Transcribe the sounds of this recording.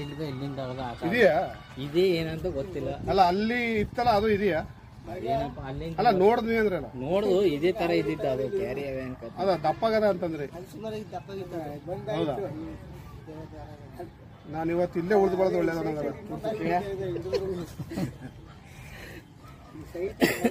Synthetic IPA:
id̪ɐilːind̪ɐɾd̪aːtid̪ija | id̪eeːnɐnt̪ɐɡot̪ːilːɐɐlːɐːlːiːt̪ːɐlːɐːd̪uid̪ijaː | enɐlːɐlːɐnoːɽd̪eɐnd̪ɾeɐlːɐnoːɽd̪uid̪eːt̪ɐɾɐid̪id̪ɐːd̪ukaːɾiɐʋeɐnkot̪ːɐd̪ɐd̪ɐpːaːɡɐd̪ɐːnt̪ɐnd̪ɐɾeɾɐpːait̪ːɐɦɐwd̪ɐ | naːniʋɐt̪ːuilːeuɭd̪ubɐɭɐd̪ɔɭːɛd̪ɐnɐŋɡɐnɐoɐkː

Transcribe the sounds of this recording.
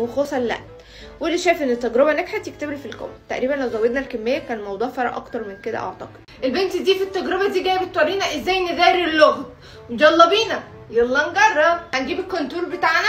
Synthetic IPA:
wexosˤɑllæ̰ʔ | welːiʃæːjefʔenːet̪ːæɡɾebæneɡħet̪jek̚t̪eblifilko̰mt̪ːæʔɾiːbænlæwzæwːed̪nælkemːejːækæːnelmɑwd̪ˤuːʕfɑɾˤɑʔɑ̰kt̪ɑɾˤmenked̪æ̰ʔɑ̰ʕt̪ˤɑq̪ | ʔelbent̪d̪iːfit̪ːæɡɾebæd̪iːɡæːjebet̪ːwɑɾiːnæʔezːæːjned̪æːɾelːoɣd̪ | mod͡ʒɑlˤːɑbiːnæ | jeɑlˤːɑnɡɑrˤːɑbhænɡiːbekːont̪uːɾbet̪aʕnæ

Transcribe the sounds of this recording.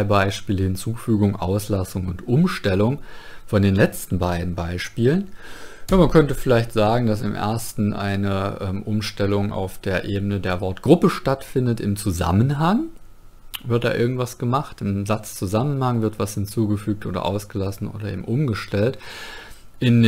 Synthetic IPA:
aɪbaɪʃpiːləhɪnt͡suːfyːɡʊŋʔa̰ʊslasʊŋʊntʔʊmʃtɛlʊŋfɔndeːnlɛt͡stn̩baɪdn̩baɪʃpiːlənjaːmankʰœntəfɪlaɪçtz̥aːɡŋ̩das̬ɪ̰mʔḛɐstn̩ʔa̰ɪnəʔɛmʔʊmʃtɛlʊŋʔa̰ʊfd̥eːɐʔeːbənədeːɐvɔɐtɡ̥ʁʊpəʃtatfɪndətɪ̰mt͡suza̰mənɦaŋ | vɪɐt̚d̥a̰ːʔɪɐɡŋ̩tv̥asɡ̥əmaχtɪmzat͡st͡suzamənhaŋvɪɐtv̥ashɪnt͡suːɡəfyːk̚tʔo̰ːdɐ̰ʔa̰ʊsɡ̥əlasn̩ʔo̰ːdɐʔḛːbm̩ʔʊmɡəʃtɛlt | ʔɪn

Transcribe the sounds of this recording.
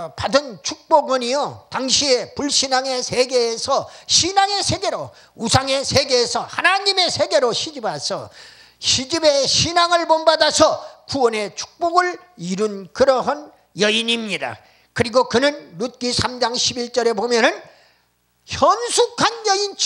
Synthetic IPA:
padɯnt͡ɕʰuk̚p͈oɡʌɲijotaŋɕʰie̞puɭɕʰinaŋe̞sʰeɡe̞ːsʰʌɕʰinaŋe̞sʰe̞ɡe̞ɾo̰ | usʰaŋe̞sʰeɡeːsʰʌhanaɲime̞sʰe̞ɡe̞ɾoɕʰid͡ʑibasʰʌ̰ | ɕʰid͡ʑibe̞ɕʰinaŋɯɭbonbadasʰʌkuwʌne̞t͡ɕʰu̥k̚p͈oɡɯɭ | iɾunkɯɾʌɦan | jʌiɲimɲida̰ | kɯɾiɡokɯnɯnːut̚k͈isʰamd͡ʑaŋɕʰibiɭt͡ɕ͈ʌɾe̞bomjʌnɯn | çjʌnsʰukʰanjʌint͡ɕ

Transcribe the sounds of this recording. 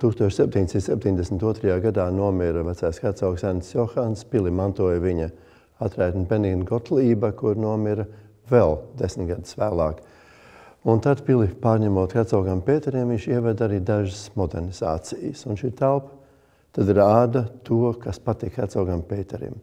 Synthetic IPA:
t̪uːkst̪uɔʃsep̚t̪ʲiɲʲd̪esint̪sɛp̚t̪ʲiɲʲd̪esmnt̪uɔt̪ɾɐjaːɡad̪aːnuɔmiɾvæt̪sajskat̪saʊksænd̪sjɔxanspilˠimant̪uɔjviɲɐ | at̪ɾɛjt̪npeniɡnɡɔt̪lˠiːbakuɾnuɔmiɾ | vɛlˠd̪esmt̪ɡad̪̥svæːlˠaːk | unt̪ad̪pilˠipaːɾɲɛmuɔt̪kat̪sawɡampeːt̪ɛɾimviɲʃiɛvɛd̪aɾiːd̪aʒəsmɔd̪eɾniz̥a̰ːt̪sijəsunʃiːt̪ælˠp | t̪ad̪iɾaːd̪at̪uɔkaspat̪ikʰːat̪sawɡampeːt̪ɛɾḭm

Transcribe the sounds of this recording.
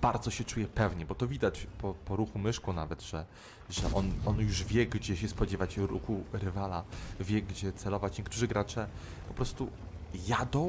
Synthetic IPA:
b̥aɾd̪zɔɕɛt͡ʂujɛpɛvɲɛbɔt̪ɔvʲid̪at͡ɕpɔpɔɾuxumɘʂkɔnavɛd̪ʐ̥ɛ | ʐɛ̰ʔɔnɔnjuʐvʲjɛɡd͡ʑɛɕɛspɔd͡ʑɛvat͡ɕɾṵxuɾɘvalavʲjɛɡd͡ʑɛt̪sɛlɔvat͡ɕɲɛkt̪uʐɘɡɾat͡ʂɛ | pɔpɾɔst̪ujad̪ɔ̃w̃

